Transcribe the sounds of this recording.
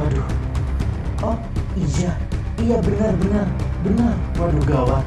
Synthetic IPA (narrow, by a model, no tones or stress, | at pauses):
adu | ɔ | id͡ʒa | ijabənarbənarbənarpaduɡawa